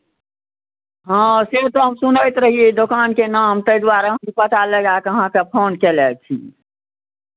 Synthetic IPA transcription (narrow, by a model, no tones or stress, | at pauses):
ɦãset̪oɦəmsʊnəɪt̪ɾəɦied̪okaːnkenaːmt̪əid̪waɾaɦəmipət̪aləɡakəɦãkepʰoːnkelɛːk̚t͡ʃʰḭ